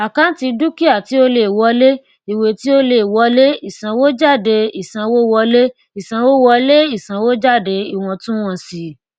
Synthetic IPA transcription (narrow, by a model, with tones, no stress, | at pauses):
a˨kã˦n˦ti˧du˦ki˦a˦˨ti˨˦o˧le˨wɔ˨˧˦le˦ | i˨we˨˧ti˦o˦le˨wɔ˨˦le˦i˦˨sã˨˧wo˦d͡ʒa˦˨de˧i˦˨sã˧wo˦wɔ˧le˦ | i˦˨sã˨˧wo˦wɔ˧le˦i˦˨sã˨˧wo˦d͡ʒa˦˨de˧i˦˨w̃ɔ̃˧tũ˦w̃ɔ̃˧si˨˦